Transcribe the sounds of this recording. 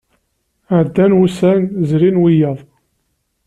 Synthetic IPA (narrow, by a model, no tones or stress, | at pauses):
ʕd̪ːænwusænzɾinwijɑðˤ